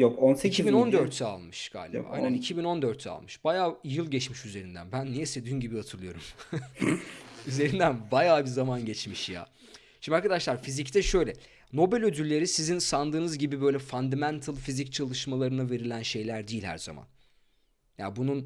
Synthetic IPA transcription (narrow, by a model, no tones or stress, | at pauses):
jokoneicʰibino̞nd̪øɾt̪ʰːɛa̰lˠmɯʃɡ̥a̰ːlʲḛb̰aa̰jnænicʰibino̞nd̪øɾt̪ʰɛa̰lˠmɯʃb̥ajaːjɯlˠɟɛt͡ʃmiʃyze̞ɾind̪æ̰nbænːijɛse̞d̪yːmɟibihat̪ʰɯɾlˠɯjo̞̰ɾum | yze̞ɾind̪ænbajaːbizamanɟɛt͡ʃmiʃja̰ː | ʃimd̪ʲiaɾkad̪aʃlˠaɾfizict̪ʰɛʃø̞jlʲɛ | no̞bælʲød̪ylːʲe̞ɾisizinsand̪ɯːnɯzɟibibø̞jlʲɛfand̪amænt̪ʰalˠfizic̚t͡ʃʰalˠɯʃmalˠaɾɯnave̞ɾilʲænʃe̞jlʲæɾd̪ijilʲhæ̰ɾza̰ma̰n | ja̰ːbunun